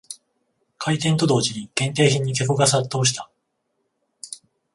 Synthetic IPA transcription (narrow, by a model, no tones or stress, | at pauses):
kʰait̪ẽ̞nt̪o̞d̪o̞ːʑiɲ̟iɡ̥ẽ̞nt̪e̞ːçĩɲ̟ːik̪e̞koɡas̬at̪ːo̞ːɕi̥t̪ḁ